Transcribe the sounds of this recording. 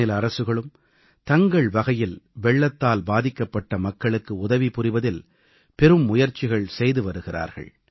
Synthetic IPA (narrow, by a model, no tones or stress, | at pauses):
ɪlɐɾɐsɯɣɐɭɯm | t̪ɐŋɡɐɭʋɐɣɐjɪlʋɛɭːɐt̪ːaːlbaːðɪkːɐpːɐʈːɐmɐkːɐɭɯkːɯʊðɐʋipʊrɪʋɐðɪl | pɛɾɯmːʊjɐɾt͡ʃːɪɣɐɭsɛjðɯʋɐɾɯɣɪra̰ːɾɣɐ̰ɭ